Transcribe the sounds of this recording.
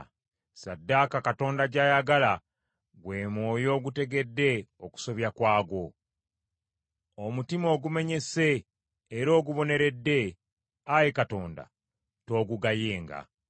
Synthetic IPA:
sadːaːkakato̞ːndaɟaːjaɡala | ɡwe̞ːmwo̞ːjo̞ːɡute̞ɡe̞dːe̞o̞ku̥so̞βjakwaːɡo̞ | omutimo̞ːɡume̞ɲe̞se̞ː | ɾo̞ːɡuβo̞ne̞ɾe̞dːe̞ | ajekato̞ːnda̰ | to̞ːɡuɡajeːŋɡa̰

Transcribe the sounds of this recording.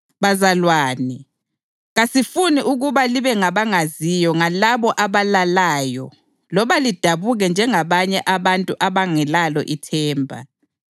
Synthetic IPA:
βazalwaːni | ɣasifuniʔuɣuβaliβɛŋaβaŋazijɔŋalaβɔʔaβalalaːjɔ̰ | lɔβalid̥ʱaβuɣɛnd͡ʒʱɛŋaβaɲɛʔaβantʼuʔaβaŋɛlalɔ̰ʔitʰɛːmbʱa̰

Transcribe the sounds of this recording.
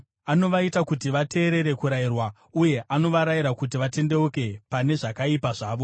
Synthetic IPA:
ano̞ʋaitakutiʋate̞ːɾe̞ɾe̞kuɾairwa | uje̞ʔano̞ʋaɾaiɾakut̬iʋate̞nde̞uke̞pane̞ʐakaipaʐaːʋo̞

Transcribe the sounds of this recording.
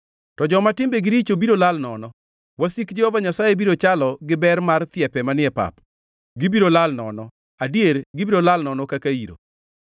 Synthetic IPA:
tɔd͡ʒɔmatɪmbeɡɪɾit͡ʃobiɾolalnɔnɔ | wasikd͡ʒɛhɔvaɲasajebiɾot͡ʃalɔɡɪbɛrmart̪ɪɛpɛmanɪɛpa̰p | ɡɪbiɾolalnɔnɔ | adijeɾɡɪbiɾolalnɔnɔkakaiɾo̰

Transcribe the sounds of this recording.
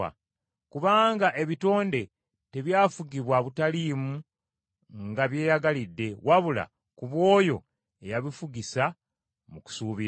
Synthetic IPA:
a̰ | kuβaːŋɡaʔe̞βito̞ːnde̞ | te̞βjaːfuɡiβwaβutaliːmu | ŋɡaβje̞ːjaɡalidːe̞waβula̰ | kuβwo̞ːjo̞̰ | e̞jaβifuɡisa | muku̥suːβi

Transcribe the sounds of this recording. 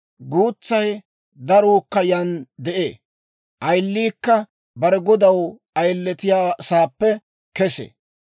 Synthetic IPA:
ɡuːt͡sːɐj | d̪ɐɾuːkːɐjɐnd̪ɛʔḛː | ʔɐjlːiːkːɐ | bɐɾɛɡɔd̪ɐw | ɐjlːɛt̪ɪjaːsaːpːɛ | kɛsḛ

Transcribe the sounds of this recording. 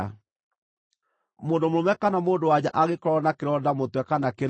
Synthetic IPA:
moːndomɾomɛkanamoːndowad͡ʑaʔaɣekɔɾɔnakeɾɔdamotwɛkanakeɾ

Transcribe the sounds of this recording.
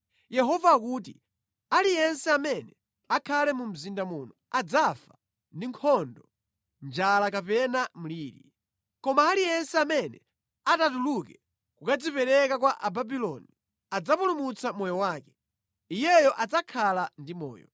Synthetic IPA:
jɛɦɔvak̬uːt̬ḭ | alijɛnsɛamɛnɛ | akʰalɛmum̩zindamuːnɔad͡zafa | ndiŋkʰɔndɔ | nd͡ʒalakapɛnamuliːɾḭ | kɔmaːlijɛnsɛamɛnɛ | atatulukɛ | kukad͡zipɛɾɛkakwaʔababilɔni | ad͡zapulumut͡samɔjɔwaːkɛ̥ | ijɛjɔʔad͡zakʰalandimɔ̰ːjɔ̰

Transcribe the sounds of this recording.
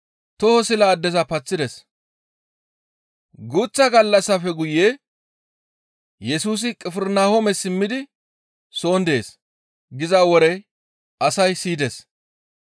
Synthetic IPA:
t̪ɔhɔsɪlaːd̪ːɛzɐpɐt͡sːɪd̪ɛs | ɡʊt͡sːɐɡɐlːɐsːɐfɛɡʊjeː | jɛsuːs̬ɪkʼɪfɪɾnaːhomɛsɪmːɪd̪ɪ | so̞ːnd̪e̞ːs | ɡɪzɐwɔɾɛ | ɐsɐjsiːd̪ɛs

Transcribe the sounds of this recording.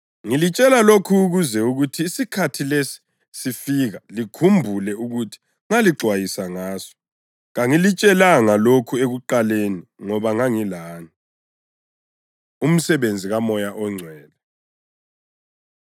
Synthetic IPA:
ŋilit͡ʃʼɛlalokʰuːɣuzɛuɣutʰiːsikʰatʰilesi̥ | sifiɣalikʰumbʱulɛuɣutʰi̥ | ŋaliɡ͡ǀʱwajisaŋaːsɔ̥ | ɣaŋilit͡ʃʼɛlaŋalokʰueɣuǃaleniŋɔβaŋaŋilaːni | um̩sɛβend͡zʱiɣamɔjaʔɔŋ͡ǀʱwɛːla

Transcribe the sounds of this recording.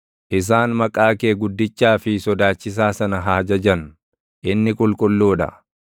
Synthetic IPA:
ʔɪs̬aːnmɐkʼaːke̞ːɡʊd̪ːɪt͡ʃːaːfɪsɔd̪aːt͡ʃːɪs̬aːsɐnɐɦaːd͡ʒɐd͡ʒɐn | ʔɪnːɪkʼʊlkʼʊlːoːᶑɐ̰

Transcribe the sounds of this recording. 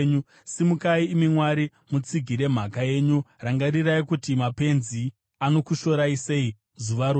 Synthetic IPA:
ɲu | simukaiːmimwaɾi | mut͡siɡʱiɾe̞m̤akaje̞ɲuraŋɡariraikutimape̞nzi | ano̞kuʃo̞ɾaise̞i | zuʋaɾo

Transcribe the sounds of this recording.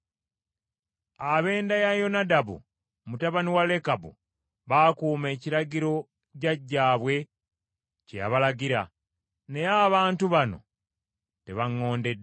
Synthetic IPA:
aβe̞ːndajajo̞nadaβṵ | mutaβaniwale̞kabṵ | βakuːme̞ːciɾaɟiɾo̞ | caɟːaːβwe̞ | ceja̰βalaɡiɾa̰ | ne̞jaβaːntuβano̞̰ | te̞βaŋːo̞ːnde̞d

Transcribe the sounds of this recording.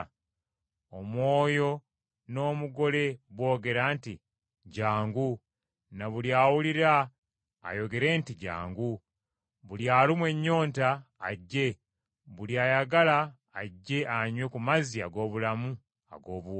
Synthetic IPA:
omwo̞ːjo̞ | no̞ːmuɡo̞le̞βwo̞ːɡe̞ɾaːnti | ɟaːŋɡu | naβuljaːwuliɾa̰ː | jo̞ɡe̞ɾe̞ːntiɟa̰ːŋɡu | βuljaːlimwe̞ɲːo̞ːntaːɟːe̞ | βuljaːjaɡalaː | ɟːe̞ʔaɲwekumaziaɡo̞ːβulamu | a̰ɡo̞ːβu

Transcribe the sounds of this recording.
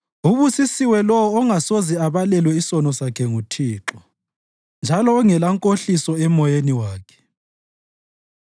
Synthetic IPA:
uβusisiwɛlɔwɔːŋasoziaβalɛlwɛisɔnɔsakʰɛŋutʰiːǁɔ | nd͡ʒʱalɔːŋɛlaŋkʼoɬisɔɛmɔjeniwaːkʰɛ̥

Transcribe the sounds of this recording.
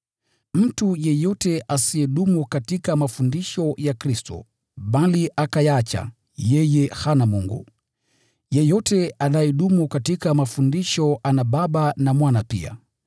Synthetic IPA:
m̩tujɛjɔtɛʔasiɛɗumukatikamafundiʃɔjakɾistɔ̰ | ɓaliʔakajat͡ʃa̰ | jɛjɛhanamuŋɡṵ | jɛjɔtɛanajɛɗumukatikamafundiʃɔʔanaɓaɓanamwanapḭa̰

